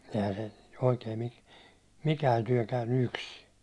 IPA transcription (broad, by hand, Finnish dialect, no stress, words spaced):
ehæ se oikeːn ni mikæːn tyæ̹ kæynːy yksi